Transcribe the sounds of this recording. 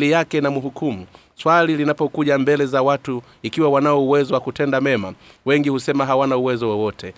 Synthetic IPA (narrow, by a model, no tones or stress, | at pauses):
lijakɛnamuɦukʰumu | swalilinapɔkuʄambɛlɛzawatu | ikiwawanaɔuwɛzɔwakutɛndamɛma | wɛŋɡihusɛmaɦawanauwɛzɔwɔwɔtʰɛ